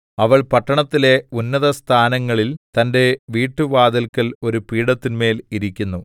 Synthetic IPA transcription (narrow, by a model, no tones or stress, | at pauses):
ɐʋɐɭpɐʈːɐɳɐt̪ːile̞unːɐðɐst̪ʰaːnɐŋːɐɭilt̪ɐnde̞ʋiːʈːuʋaːd̪ɐlkɐlo̞ɾupiːɽɐt̪ːinme̞ːliɾikʲːunːu